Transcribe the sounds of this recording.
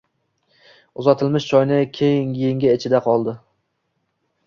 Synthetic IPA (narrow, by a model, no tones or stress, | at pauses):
ʊzɒt̪ʰɪlmɪʃt͡ʃʰɒjnɪkʲʰejɪŋjeŋɡʲaɪt͡ʃʰɪd̪aqʰɒlˠd̪ɪ